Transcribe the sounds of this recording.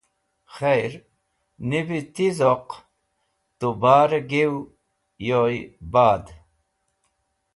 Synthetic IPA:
xejɾ | nibit̪izoq | t̪ubaːɾɡew | jojbaːd̪

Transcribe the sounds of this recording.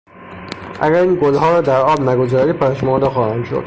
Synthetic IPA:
ʔæ̰ɡæɾiːnɡolɦɒːɾɒːd̪æɾɒːbnæɡozɒːɾiːpʰæʃmɒːd̪exɒːhænd̪ʃo̰d̪̥

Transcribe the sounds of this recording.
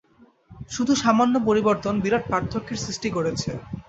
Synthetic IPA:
ʃud̪ʱuʃamanːopoɾiboɾt̪onbiɾaʈ̚paɾt̪ʰːokʰːeɾsɾisʈikoɾet͡ɕʰe

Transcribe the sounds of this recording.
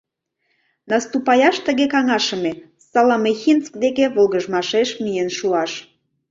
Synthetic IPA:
nɑst̪upɑjɑʃt̪əɣekɑŋɑʃə̆me | sɑlɑmexint͡sk̚d̪ekeβolɣəʒmɑʃeʃmijenʃuɑʃ

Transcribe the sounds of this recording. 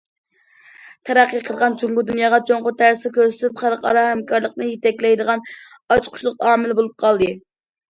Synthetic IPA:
t̪ʰæɾæqːəjqʰəlˠʁɑnt͡ʃʰuŋɡʊd̪unjɑːʁɑt͡ʃʰoŋqʊɾt̪ʰæɾsɪkʲøɾs̬y̥t̪ypχælˠqʰɑ̰ɾɑhæmkʰɑɾlˠəqnɨjet̪ɛkʲlɛjd̪əʁɑn | ɑt͡ʃqʰʊ̥ʃlˠʊqɑːmɪlɪbolˠup̚qʰɑlˠd̪ɨ

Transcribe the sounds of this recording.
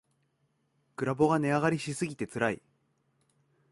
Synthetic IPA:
kɯ̟ɾabo̞ɡane̞aɣaɾʲiɕisɨɡʲit̪e̞t͡sɨɾaḭ

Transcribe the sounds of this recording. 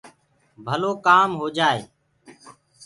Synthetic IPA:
bʱəloːkaːmɦoːd͡ʒaːeː

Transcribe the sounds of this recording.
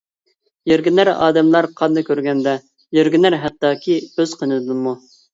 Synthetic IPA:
jeɾɡʲinæɾɑ̰ːd̪ɛmlˠɑɾqʰɑnd̪ɨkʲʰøɾɡʲɛnd̪ɛ | jeɾɡʲinæɾɦæq̪̚t̪ɑːkʲʰiøz̥qʰənɨd̪ɨmu

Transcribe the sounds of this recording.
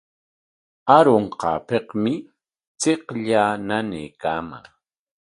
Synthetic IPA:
aɾoɴqɑ̰ːpeqmɪ | t͡seqʎaːnanḛjkaːma̰ŋ

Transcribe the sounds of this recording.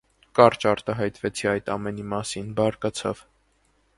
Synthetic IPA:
kɑɾt͡ʃɑɾt̪ɑɦɑjt̪vɛt͡sʰiɑjt̪ɑmɛnimɑsinbɑɾkɑt͡sʰɑ̰v

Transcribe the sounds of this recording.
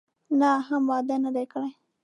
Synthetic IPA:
naɦamwɑd̪anad̪ajkəɽaj

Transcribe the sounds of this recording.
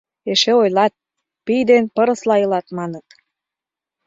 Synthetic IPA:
eʃeojlɑt̪̚ | pijd̪enpəɾə̆slɑɤlɑt̪mɑnət̪

